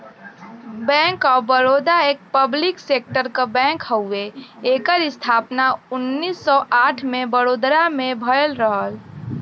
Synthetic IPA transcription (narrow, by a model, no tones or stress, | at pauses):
bɛ̃ːŋkɔːbəɾoːd̪aeːk̚pəblɪkseːk̚ʈəɾkabɛ̃ːŋkhəueeːkəɾɪst̪ʰaːpnaʊnːiːsːɔʔaːʈʰmẽbəɾoːd̪ɾamẽbʱəlɾəɦəl